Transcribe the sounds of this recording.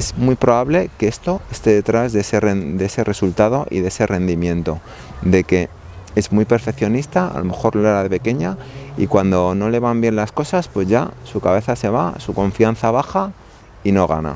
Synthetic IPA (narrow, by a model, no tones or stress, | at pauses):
ezmwipɾo̞βaβle̞ke̞e̞st̪o̞e̞st̪e̞ðe̞t̪ɾazðeserend̪e̞se̞re̞sult̪að̞o̞ʔḭðee̞se̞re̞nd̪imjẽ̞nt̪o̞ | d̪e̞ke̞ | e̞zmwijpe̞ɾfe̞kθjo̞nist̪aa̰lo̞me̞xo̞ɾloelaðe̞pe̞ke̞ɲaḭkwand̪o̞no̞le̞β̞ambje̞nlasko̞saspwe̞zʝa̰sukaβe̞θase̞β̞a̰suko̞ɱfianθaβ̞axa | ino̞ɣ̞a̰na̰